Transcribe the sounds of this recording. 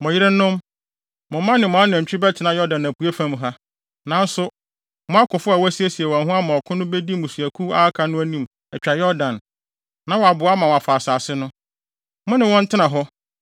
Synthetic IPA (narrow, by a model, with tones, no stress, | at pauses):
mʊ̃˨jɪ˦ɾɪ˦nːʊ̃˦m | mʊ̃˨mã˦nɪ̃˨mʊ̃˨˦a˦nʊ̃˨ɛ˨t͡ɕᶣɪ˦bɛ˦tʰɪ˨˦nã˦jɔ˦dã˨næ˨pʰu˨e˦fã˦m˦ɦa˦ | nã˨˦n̩˦sʊ˦ | mʊ̃˦a˦kʰʊ˨fʊ˦a˨wæ˦si˦e˦si˨e˨wa˨ɦʊ̃˦a˦mã˨ɔ˨kʰʊ̃˦nʊ̃˦be˦di˦mʊ̃˨su˨æ˨kʰu˦a˦kʰa˨nʊ̃˦æ˦nĩ˦m | ɛ˨t͡ɕᶣa˨jɔ˦dã˨nː | ã˨˦wɔ˨a˨bʊ˨˦a˦mã˨wa˨faː˨saː˨sɪ˦nʊ̃˦ | mʊ̃˦nɪ̃˨wɔ̃˦n̩˦tʰɪ˦nã˨ɦɔ˦